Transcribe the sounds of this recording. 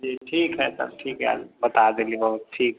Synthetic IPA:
d͡ʒiʈʰiːkɦɛsə̰b̚ʈʰiːkɦɛ̰bət̪ad̪elibəɦʊt̪̚ʈʰiːk

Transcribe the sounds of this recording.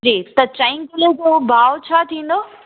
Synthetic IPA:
d͡ʑiːt̪ɐt͡ɕãɪ̃ŋkɪled͡ʑoːbaːʋt͡ɕʰaːt̪ʰĩːn̆d̪oː

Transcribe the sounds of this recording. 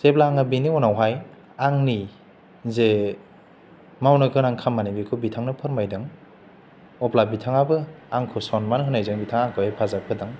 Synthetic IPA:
seplaːŋɯbiniɔnawɦaj | aŋni | ze | mawnɔjkʰɯnaŋkʰamːanibikʰɯbitʰaŋnɯpʰɯɾmajdɯŋ | ɔplabitʰaŋabɯaŋkʰɯsɔnmanɦɯnajzɯŋbitʰaŋaŋkʰɯhajpʰazap̚ʰɯdaŋ

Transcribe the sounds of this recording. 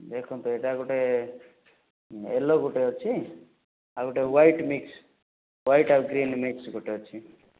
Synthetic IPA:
d̪ekʰũnt̪ueʈaɡuʈe | ḛloɡuʈeot͡ʃʰi | aɡuʈeʋajʈmiks | wajʈaɡɾinmiksɡuʈeot͡ʃʰi

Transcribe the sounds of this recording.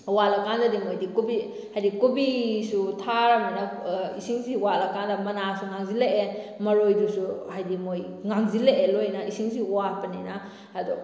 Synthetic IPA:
walɐkandɐdimojdikubi | hajdikubisutʰaɾamanaisiŋsiwalɐkandɐmɐnasuŋaŋzileemɐɾojdusuhajdimoj | ŋaŋzileʔelojnaisiŋsiwapɐninaː | du

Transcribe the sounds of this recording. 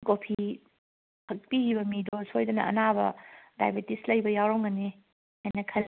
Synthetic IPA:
kopʰi | pʰɐk̚piɡibɐmidoshojdɐnɐ̰ɐ̰nabɐ̰da̰jbetislɐjbɐjawɾawŋɐne | hajnɐkʰɐl

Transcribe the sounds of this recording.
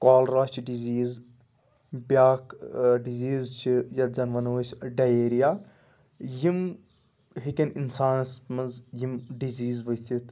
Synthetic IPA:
kaːlɾaːt͡ʃʰiɖiziːz | bʲjaːkɖiziːzt͡ʃʰijɐd͡ʒɐnʋɐnoːsɖɐjeːɾijaː | jim | ɦikʲɐninsaːnsmɐnzjimɖiziːzʋɐt̪ʰit̪

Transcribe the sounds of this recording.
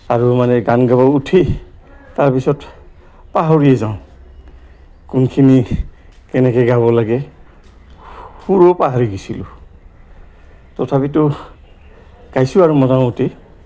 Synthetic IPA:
aɹumanɛɡanɡabɔutʰi | taɹpisɔt | paɦoɹijɛzaʊ̃ | kunkʰini | kɛnɛkɛɡaβɔlaɡɛ | huɹopaɦaɹiɡisilʊ̰ | tɔtʰapitʊ | ɡ̥ajsʊaɹumɔzãutʰi

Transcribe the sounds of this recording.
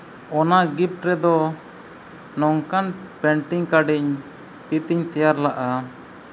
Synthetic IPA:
ɔnaɡip̚ʈɾɛd̪ɔ | nɔŋkanpɛɳʈiŋkaɖiɲ | t̪it̪iɲt̪ɛjaɾlaʔa

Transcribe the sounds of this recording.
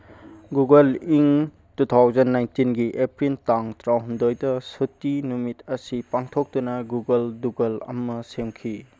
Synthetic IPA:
ɡuɡɐliŋ | tutʰawzɐnːajntinɡiʔepɾintaŋtɾawɦundojdɐsutːinumitɐsipaŋtʰok̚tunɐɡuɡɐlduɡɐlɐ̰mɐsemkʰi

